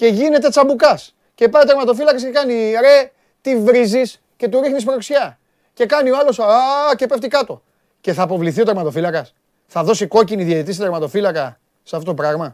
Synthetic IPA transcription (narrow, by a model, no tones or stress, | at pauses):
ce̞ʝine̞t̪̬e̞t͡sɐmbukɐs | ce̞pɐjot̪eɾmɐt̪o̞filɐkɐscekɐniɾe̞ | t̪ivɾizis | ce̞t̪uɾixnis̬pɾo̞ksçɐ | ce̞kɐnioɐlo̞sce̞peft̪ikɐt̪o̞ | ce̞θɐːpo̞vliθio̞t̪eɾmɐt̪o̞filɐkɐs | θɐðo̞siko̞ciniðjɐit̪ist̪t̪eɾmɐt̪o̞filɐkɐ | seɐft̪ot̪o̞pɾɐɣmɐ